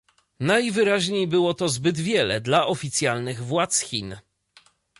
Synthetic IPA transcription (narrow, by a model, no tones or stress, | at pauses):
najvɘɾaʑɲejbɘwɔt̪ɔzbɘd̪vʲjɛlɛd̪laʔɔfʲit̪sʲjalnɘɣvwat̪sxʲḭn